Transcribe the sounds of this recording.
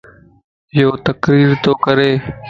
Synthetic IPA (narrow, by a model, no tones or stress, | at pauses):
joːt̪əkɾiːɾt̪oːkəɾeː